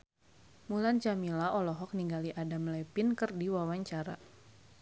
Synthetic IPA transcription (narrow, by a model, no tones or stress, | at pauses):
mulant͡ʃamilaʔɔlɔɦɔk̚niŋɡaliʔadamlɛpinkɨrdiwawaɲt͡ʃaɾa̰